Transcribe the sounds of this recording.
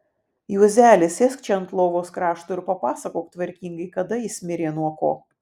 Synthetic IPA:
juɔzʲæːlʲɪsʲɛsʲkt͡ʃʲɛɐnt̪lˠoːʋoːskɾɑːʃt̪oːɪɾpɐpɑːsɐkoːk̚t̪ʋɐɾʲkʲiːŋɡɐɪkɐd̪ɐisʲmʲɪɾʲeːnuɔko̰ː

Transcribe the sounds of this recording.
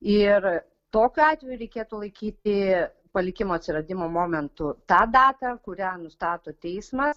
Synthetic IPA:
ɪr | t̪oːkʲʊɑːt̪ʲʋʲɛjʊɾʲɛɪkʲeːt̪ʊlˠɐɪkʲiːt̪ʲɪ | pɐlʲɪkʲɪmoːɐt̪ʲsʲɪɾɐd̪ʲɪmoːmoːmʲɛnt̪ʊt̪ɑːd̪ɑːt̪ɑkʊɾʲæːnʊst̪ɑːt̪oːt̪ʲɛɪsmɐs

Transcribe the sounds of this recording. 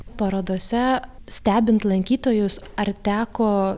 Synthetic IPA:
pɐɾɐd̪oːsʲɛsʲt̪ʲæːbʲɪnt̪lˠɐŋʲkʲiːt̪oːjʊsɐɾt̪ʲæːkoː

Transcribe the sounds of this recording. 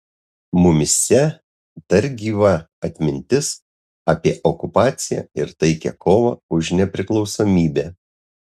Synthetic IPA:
mʊmʲɪsʲɛ | d̪̥ɐɾʲɡʲiːʋɐ | ɐt̪ʲmʲɪnʲt̪ʲɪs | ɑːpʲiɛʔɔkʊpɑːt̪sʲɪjæ̰ɪɾt̪ɐɪkʲɛ̰kʰoːʋɑ̰ːʊʒnʲɛpʲɾʲɪklˠɒʊsoːmʲiːbʲæː

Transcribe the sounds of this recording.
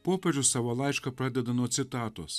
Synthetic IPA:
popʲɛʒʲʊsɐʋɐlˠɑjt͡ʃkɐpɾad̪ʲɛd̪ɐnɔt̪sʲɪt̪ɑːt̪os

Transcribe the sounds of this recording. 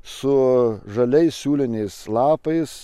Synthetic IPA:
sʊʒɐlʲɛɪssʲuːlʲɪnʲɛɪslˠɑːpɐɪs

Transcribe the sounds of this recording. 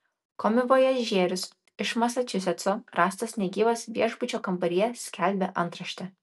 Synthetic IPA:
koːmʲɪʋoːjɛʒʲeːɾʲʊs | ɪʃmɐsɐt͡ʃʲʊsʲɛt̪soːɾɑːst̪ɐsnʲɛɡʲiːʋɐsʋʲiɛʒbʊt͡ʃʲoːkɐmbɐɾʲiɛsʲkʲælʲbʲɛʔɐnˑt̪ɾɐʃʲt̪ʲɛ

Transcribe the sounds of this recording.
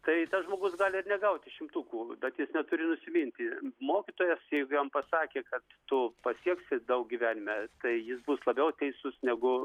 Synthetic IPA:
t̪ɐɪt̪ɐsʒmoːɡʊsɡɑːlʲɪɪɾnʲɛɡɐʊt̪ʲɪʃʲɪmt̪uːkuːbʲɛt̪jɪsnʲɛt̪ʊɾʲɪnʊsʲɪmʲinʲt̪ʲɪmoːkʲit̪oːjɛsjɛɪɡʊjɐmpɐsɑːkʲeːkɐt̪ːʊpɐsʲiɛksʲɪd̪ɐʊk̚ɡʲiʋʲæːnʲɪmʲɛt̪ɐɪjɪsbʊslˠɐbʲɛʊt̪ʲɛɪsʊsnʲɛɡʊ

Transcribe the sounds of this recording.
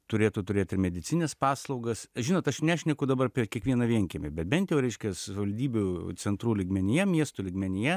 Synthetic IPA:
t̪ʊɾʲeːt̪ʊt̪ʊɾʲeːt̪ɪrmʲɛd̪ʲɪt͡s̪ʲɪnʲɛspɑːslˠɐʊɡɐsʒʲɪnoːt̪ɐʃnʲæːʃʲnʲɛkʊd̪ɐbɐrɐpʲɛkʲiɛkʋʲiɛnɐʋʲiɛŋʲkʲɪmʲɪbʲɛt̪̚bʲɛnt̪jɛʊɾʲɛɪʃʲkʲɛsʋɐlʲd̪ʲiːbʲʊt͡s̪ʲɛnt̪ɾuːlʲɪɡmʲɛnʲɪjɛmʲiɛst̪ʊlʲɪɡmʲɛnʲɪjɛ

